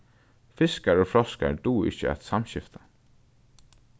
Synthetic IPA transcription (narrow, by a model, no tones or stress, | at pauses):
fɪskaɹoːfɾɔska̰ɹd̪uːɪ̰çəæ̰t̪samɕɪft̪ḁ